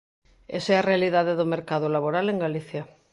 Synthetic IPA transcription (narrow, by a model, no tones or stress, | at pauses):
ḛsɛarealiðaðeðomeɾkaðolaβ̞oɾaleŋɡaliθja